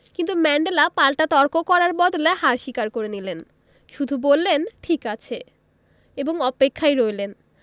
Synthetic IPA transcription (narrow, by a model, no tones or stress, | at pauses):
kint̪umɛɳɖelapalʈat̪ɔɾkokɔɾaɾbɔd̪oleɦaɾʃikaɾkoɾenilen | ʃud̪ʱubolːenʈʰikat͡ɕʰe | eboŋɔpekʰːajɾojlen